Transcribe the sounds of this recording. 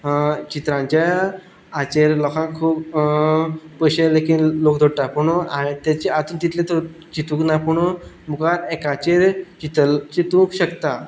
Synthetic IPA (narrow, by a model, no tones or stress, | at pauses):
t͡ɕit̪ɾãɲt͡ɕa | at͡ɕeɾlɔkʰãkkʰuːp | pəɕelekinlokd̪ʱoɽʈ̪apuɳoãt̪jat͡ɕeat̪uːnt̪it̪ʰlẽt̪o | t͡ɕit̪ũknapuɳo | mukaɾekat͡ɕeɾt͡ɕit̪əlt͡ɕit̪ũkɕəkt̪a